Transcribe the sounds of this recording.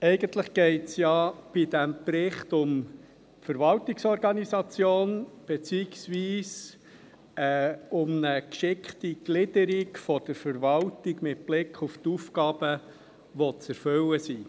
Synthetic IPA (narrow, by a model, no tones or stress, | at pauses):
ɛɪɡənt̪ləχɡ̥ɛɪtsjɑb̥id̥æmpɾɪχtʊm | fəɾvɑltiksɔɾɡɑnizɑt͡sjoːnb̥et͡siːɪksʋiːs | ɛʊmnəkʃɪkχtiɡ̥lɪdəɾikfɔd̥əɾfəɾvɑltiɡmɪtb̥lɪkʰuftufkɑːb̥ə | ʋɔt͡sɛɾføwəsiː